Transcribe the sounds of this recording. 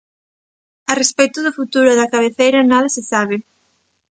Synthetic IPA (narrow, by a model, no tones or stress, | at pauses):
ɐrespɛjt̪ʊðʊfut̪uɾʊðɐkaβ̞eθejɾɐnaðɐsɪsaβ̞ɪ